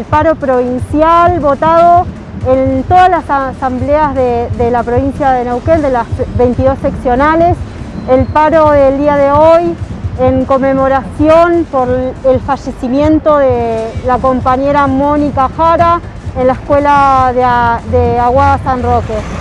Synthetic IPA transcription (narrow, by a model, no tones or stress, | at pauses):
lpaɾo̞pɾo̞βinsjalβo̞t̪aðo̞ | ent̪o̞ðalasssambleazðeðelapɾo̞βinsjaðenewkend̪elasβejnt̪iðo̞seksjo̞naleselpaɾo̞ðeld̪iaðeo̞jeŋko̞memo̞ɾasjo̞npoɾelfaʒe̞simjẽ̞nt̪o̞ðelako̞mpaɲe̞ɾamo̞nikaxaɾa | enlaeskwe̞laððeaɣwaðasanroke